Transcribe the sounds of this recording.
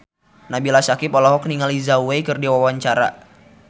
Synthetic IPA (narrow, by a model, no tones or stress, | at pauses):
nabilasakipɔlɔɦɔk̚niŋalizauwekɨrdiwawaɲt͡ʃaɾa̰